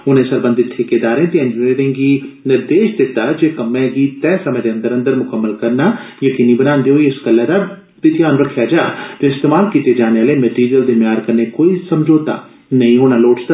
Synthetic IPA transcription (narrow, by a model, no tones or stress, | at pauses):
ʊnẽːsəɾbə̃nd̪ɪt̪ʰːekeːd̪aːɾẽːt̪eənd͡ʒeɾɪ̃ːŋɡiːnɪɾd̪eːʃd̪ɪt̪ːaːd͡ʒeːkəmːɛ̃ːɡiːt̪ɛːsəmə̃d͡ʒeə̃nd̪əɾə̃nd̪əɾmʊkəmːəlkəɾnaːjəkiːniːbənãːnd̪eːɦoːiɪsɡəlːɛːd̪aː | t̪ɪt̪ijaːnʋəɾkʰaːd͡ʒaːt̪eːɪst̪eːmaːlkiːt̪eːd͡ʒaːneaːleːmɛʈiːɾijəld̪eːmjaːɾkəɾneːkoːiːsəmd͡ʒoːt̪a̰ː | nəĩːɦoːnaːloːʈs